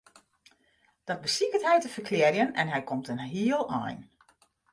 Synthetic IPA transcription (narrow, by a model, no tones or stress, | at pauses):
d̥ɑt̚bəsikətɦɛjtəfərkʰlɪrjənɛ̰nɦɛjkʰomtənɦiəlˠɔ̰jn